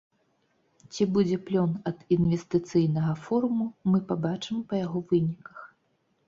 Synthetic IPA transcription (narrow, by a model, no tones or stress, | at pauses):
t͡sʲibud͡zʲɛplʲɔnɐd̪invʲɛst̪ɨt̪sɨjnɐɣɐfɔɾumumɨpabat͡ʂɨmpɐjaɣɔvɨnʲikɐ̥x